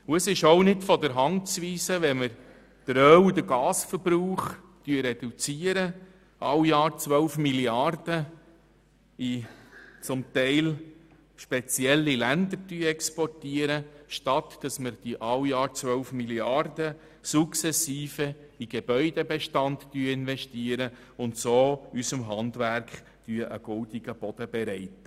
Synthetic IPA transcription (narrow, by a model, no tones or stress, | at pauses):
uəsɪʃoʊnɪdfɔdəɾɦɑntt͡sʋiːsəʋɛməɾ | d̥əɾœwd̥̪əɡɑːsfəɾbɾuːχ | tyəɾɛdut͡siːəɾə | ʔɑwjɑːɾt͡sʋœwfmiljɑrd̥ə | it͡sʊmt̪ɛɪl | ʃpɛt͡sjɛlːilændəɾtyːəɛkspɔrtiəɾəʃtɑt̪d̥ɑsməɾd̥iʔɑwjɑːɾt͡sʋœʊfmiljɑrdə | suksɛsiːfə | iɡ̥eb̥œʏd̥ebɛʃtɑnttyːəɪnvɛʃtiːəɾə | ʊntsoːysəmɦɑndvæɾkχ | tyːəʔəɡ̥ʊldiɡ̥əb̥ɔd̥əb̥ɛɾɛɪtə